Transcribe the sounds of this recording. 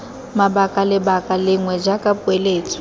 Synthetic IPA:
mabakʼalɪbakʼalɪŋwɛd͡ʒakʼapʼueleːt͡sʼɔ̥

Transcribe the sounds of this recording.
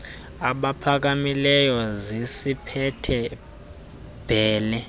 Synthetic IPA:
aɓapʰak̬amilɛjɔzisipʰɛtʰɛ | b̥ʱɛːlɛ

